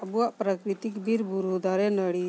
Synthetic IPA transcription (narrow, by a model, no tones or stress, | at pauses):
buaʔpɾəkɾit̪ikbʱiɾbuɾud̪aɾenəɽi